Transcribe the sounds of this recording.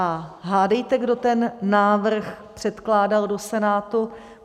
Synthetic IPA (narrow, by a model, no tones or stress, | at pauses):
aɦaːdɛjt̪ɛɡdo̞t̪ɛnːaːvr̩xpr̝̥ɛt̪klaːdaldo̞sɛnaːt̪u